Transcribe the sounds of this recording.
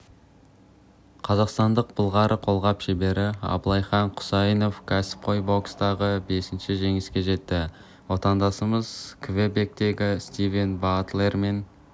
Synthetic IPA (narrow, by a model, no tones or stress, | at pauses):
qʰɑzɑqst̪ɑnd̪əq̚bʊlˠʁɑɾʔəqʰo̞lˠʁɑpʃebe̞ɾɪɑ̰bəlˠɑjχɑɴqʰʊ̥sɑjəno̞fkʲʰæsɪ̥p̚qʰo̞jbo̞kst̪ɑʁəbe̞sɪnʃɪʒe̞ŋɪskʲe̞ʒe̞t̪ːɪ | wo̞t̪ɑnd̪ɑsəməzkʰve̞be̞k̚t̪e̞ɡʲɪst̪ive̞nbat̪le̞rme̞n